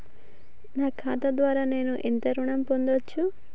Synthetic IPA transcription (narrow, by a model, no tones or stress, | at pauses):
naːkʰaːt̪ɐd̪ʋaːɾaːne̞ːnuʔent̪ɐɾuɳɐmpond̪ɐt͡ʃːu